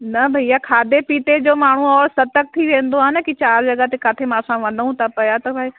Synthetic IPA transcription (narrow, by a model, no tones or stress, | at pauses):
nɐbʱɐijakʰaːd̪epiːt̪ed͡ʑoːmaːɳ̤uɔːɾsɐt̪ək̚t̪ʰiʋẽːnd̪oaːnəkit͡ɕaːɾd͡ʑɐɡat̪ekaːt̪ʰemãːsãʋɐ̃nd̪əũt̪ʰapɐjat̪ɐbʱai